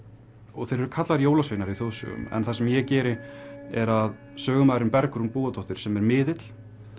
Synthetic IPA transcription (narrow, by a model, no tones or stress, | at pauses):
ɔɣθejɾɛɾʏkʰat̪laɾjoːwlasvejnaɾiθoːwsʏ̰ʏ̰mɛ̰nθasɛmjɛcɛːɾɪɛɾað | sœːɣʏmaːjðɪɾʏmpɛɾkɾunpuːɣat̪ʰowht̪ɪɾ̥sɛmɛɾmɪːðɪt̪l̥